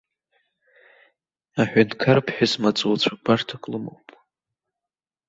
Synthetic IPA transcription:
aħʷᶣantʰkʰarpʰħʷᶣasmat͡sʼuwt͡ɕʷʰabartʰakʼlɨmo̰wpʼ

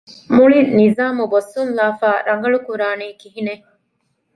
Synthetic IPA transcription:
muɭinnizaːmubɐsunlaːfaːɾɐŋɡɐɭukuɾaːniːkiɦine

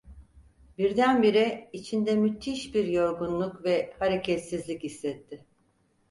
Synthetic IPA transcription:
biɾd̪ænbiɾɛit͡ʃʰind̪ɛmyt̪ʰːiʃbiɾjo̞ɾɡunlˠukvɛhaɾecʰɛt̪sizlʲicisːɛt̪ʰːɪ

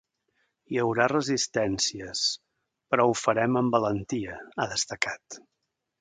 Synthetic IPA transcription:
jəwɾarəzist̪ɛnsiəs | pɾɔufəɾɛməmbələnt̪iəaðəst̪əkat̪

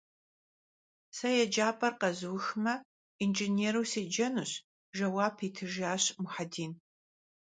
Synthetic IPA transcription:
sɐjɛd͡ʒaːpʼɐrqɐzɨwxmɐ | ind͡ʒineːɾuwseːd͡ʒɐnuːɕ | ʒɐwaːpʰiːtʰɨʒaːɕmʊħadiːn

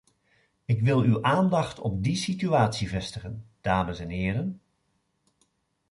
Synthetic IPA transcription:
ɪkʋɪlˠywʔaːndɑχtɔ̰b̚disityaːtsivɛstəχənd̥aːməsɛnɦɪːɾən

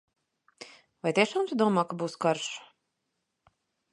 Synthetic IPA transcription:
vajt̪ʲiɛʃaːmt̪ud̪uɔmaːkabuːskaɾʃḁ

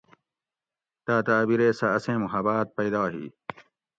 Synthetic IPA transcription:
t̪aːt̪aːbiɾeːsɐːsẽːmuɦɐbaːt̪̚pɐjd̪ɑːɦḭː

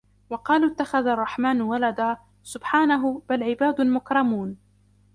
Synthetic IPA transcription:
wɑqɑːluːt̪ːaxaðarˤːɑħmaːnwalad̪aː | sʊbħaːnaɦʊb̥alʕɪbaːd̪ʊmʊkɾˤɑmuːn

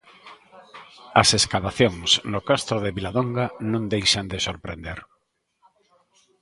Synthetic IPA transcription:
ɐseskaβaθjoŋsnokast̪ɾoðeβilaðoŋɡanõŋd̪ejʃand̪esoɾpɾḛnd̪eɾ

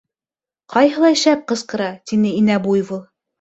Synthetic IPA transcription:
qɑjɦɤ̆lˠɑʃæp̚qɤ̆sqɤ̆ɾɑt̪inɘinæbujβɤlˠ

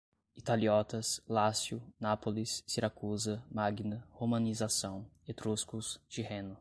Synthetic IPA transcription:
it̪aliɔt̪ɐslasjʊnapolisːiɾakuzɐmaɡinɐhomɐ̃nizasɐ̃w̃ | et̪ɾuskʊst͡ʃihẽnʊ

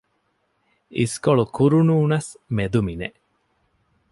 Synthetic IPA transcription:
ḭskoɭukuɾunuːnɐsmed̪umine

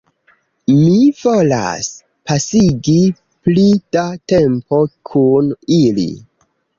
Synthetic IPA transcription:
mivo̞la̰s | pasiɡi | plid̥ate̞mpo̞kʰunilḭ

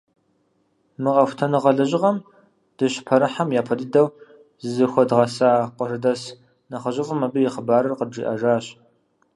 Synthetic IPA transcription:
mɨʁɐxʷtʰɐnɨʁɐɮɐʑɪʁɐm | d̥ɨɕpʰɐɾɨħamjaːpʰɐdɨdɐw | zzɨxʷɔdʁɐsaːqʷərɨdɐs | nɐχɐʑɪfʼɨmɐbɨjɪχəbaːɾɨrqəd͡ʒḭːʔɐʒaːɕ

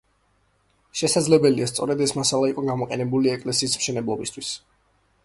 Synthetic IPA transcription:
ʃɛsad̪zlɛbɛliast̪sʼɔɾɛd̪ɛsmasalˠaiqʼɔɡamɔqʼɛnɛbuliɛkʼlɛsiːsmʃɛnɛblˠɔbist̪ʰw̥is

